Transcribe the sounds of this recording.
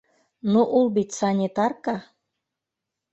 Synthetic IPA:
nuʔulˠbit̪ʲsɑnʲet̪ɑrkɑ

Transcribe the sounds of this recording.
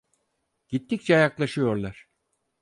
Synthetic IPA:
ɟ̥it̪ʰːic̚t͡ʃʰɛjaklˠaʃɯjo̞ɾlˠaɾ̥

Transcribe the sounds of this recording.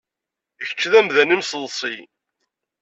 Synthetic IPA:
əçə̥t͡ʃːðæmðænimsəlˤːsˤi

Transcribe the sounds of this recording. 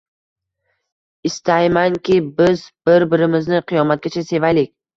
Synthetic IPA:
ɪst̪ʰajmaŋkʲɪbɪzbɪɾbɪɾɪmɪznɪqʰɨjɒmat̪̚ɡʲat͡ʃʰase̞vajlɪkʲ

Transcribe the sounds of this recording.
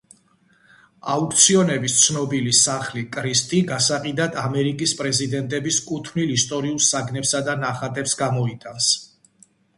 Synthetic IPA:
auk̚t̪sʰiɔnɛbist̪sʰnɔbilisaχlikʼɾist̪ʼiɡasaqʼid̪ad̪ʰamɛɾikʼispʼɾɛzid̪ɛnt̪ʼɛbiskʼut̪ʰmnilist̪ʼɔɾiulˠsaɡnɛpsad̪anaχat̪ʼɛpsɡamɔit̪ʼans

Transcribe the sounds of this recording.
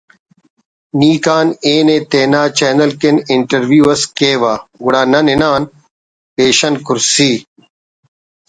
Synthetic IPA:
niːkaːneːneːt̪eːnaːt͡ɕeːnɐlkenɪɳʈɐɾʋjuːɐskeːʋaːɡʊɽaːnɐnɪnaːn | peːɕɐnkʊɾsiː

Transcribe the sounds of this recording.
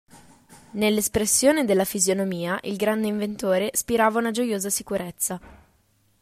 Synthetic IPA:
nelːespɾesːjoːned̪elːafizjonomiːaʔilɡɾand̪eiɱvent̪oːɾespiɾaːvaunad͡ʒojoːzasikuɾet̪sːa

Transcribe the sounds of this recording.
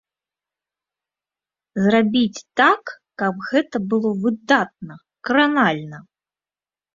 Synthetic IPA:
zrabʲit͡sʲt̪akː | ɐbɣɛt̪ɐbɨlˠɔvɨd̪at̪̚nɐ | kɾanalʲnɐ

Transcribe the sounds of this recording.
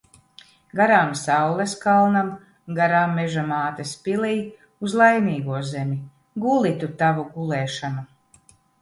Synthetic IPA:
ɡaɾaːmsawlˠɛskalˠnam | ɡaɾaːmːeʒamaːt̪espʲiliː | uzlˠajniːɡuɔzemʲi | ɡulˠit̪ut̪avuɡulˠɛːʃanu

